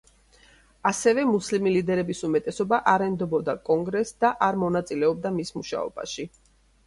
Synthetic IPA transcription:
asɛvɛmuslimilid̪ɛɾɛbisumɛt̪ʼɛsɔbaʔaɾɛnd̪ɔbɔd̪akʼɔŋɡɾɛsd̪aʔaɾmɔnat̪sʼilɛɔb̚d̪amismuʃa̰ɔ̰ba̰ʃi

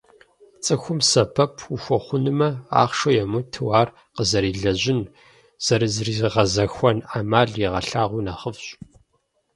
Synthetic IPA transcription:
t͡sʼɨxʷʊmsɐpʰɐpʰuxʷɔχʷʊnɨmɐa̰ːχʃojɛmutʰɨwaːr | qəzɐɾiːɮɐʑɪn | z̥ɐɾɨzriːzʁɐzɐxʷɔnaːmaːɮiʁɐɬaːʁʷunɐχəvɕʼ

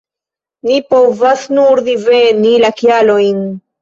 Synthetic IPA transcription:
nipo̞vasnuɾdivenilakialo̞jn

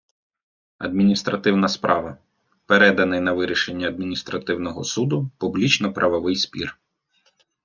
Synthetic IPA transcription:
ɐ̰d̪̚mʲinʲist̪ɾɐt̪ɪwnɐspɾʔɑ̰ʋɐ | peɾɛd̪ɐnɪjnɐʋɪɾʲiʃenʲːɐɐd̪̚mʲinʲist̪ɾɐt̪ɪwnɔɦɔsud̪ʊpublʲit͡ʃnɔpɾʔɐʋɔʋɪjspʲḭr

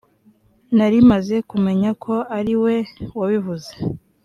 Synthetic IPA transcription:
naɾimaze̞kume̞ɲakʰo̞aɾiwe̞waβivuze

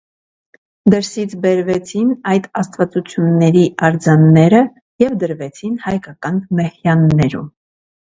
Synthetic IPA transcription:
d̪əɾsit͡sʰbɛɾvɛt͡sʰinɑjd̪ɑst̪vɑt͡sut͡sʰjunːɛɾiʔɑɾd͡zɑnːɛɾə | jɛvd̪əɾvɛt͡sʰinhɑjkɑkɑnmɛhjɑnːɛɾṵm

